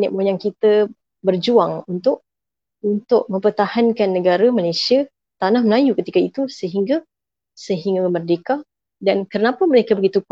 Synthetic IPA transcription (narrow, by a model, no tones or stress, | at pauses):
nɪʔmojaŋkit̪a | bərd͡ʒuaŋunt̪ʊʔ̚ | unt̪ʊʔ̚mə̃mpərt̪ahankanːəɡaɾamalajsia | t̪anahməlajukət̪ikait̪usəɦiŋɡa | səɦiŋɡaəmərdeka | dankəɾənapaməɾekabəɡit̪uk